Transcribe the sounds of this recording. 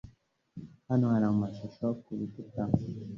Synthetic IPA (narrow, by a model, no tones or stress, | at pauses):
hanoaɾamumaʃoʃokuβituta